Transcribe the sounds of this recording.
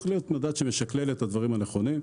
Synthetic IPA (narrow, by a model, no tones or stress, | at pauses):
liot̪mad̪at̪ʃemeʃaklelet̪ad̪vaʁimaneχo̞nim